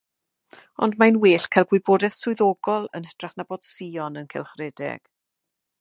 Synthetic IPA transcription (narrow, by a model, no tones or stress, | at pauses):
ɔ̰ndmanweːɬkʰajlˠɡwɪboːdɛθsʊɨðɔɡɔlˠə̰nəd̥raχnaboːd̥siːɔnənkʰɛlˠχrɛdɛ̰ɡ̥